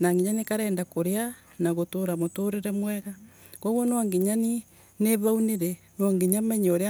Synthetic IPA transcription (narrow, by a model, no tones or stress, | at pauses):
naŋɡiɲanikaɾɛːndakoɾea | naɣotoɾamotoɾeɾɛmwɛɣa | koɣonoaŋɡiɲani | neβauneɾe | naŋɡiɲamaɲoɾea